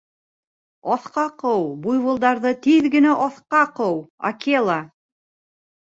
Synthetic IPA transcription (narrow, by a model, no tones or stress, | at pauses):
ɒθqɑqɤwbujβɤ̆lˠd̪ɑɾðɤt̪iðɡɘ̆næʔɒθqɑqɤwa̰kʲelˠa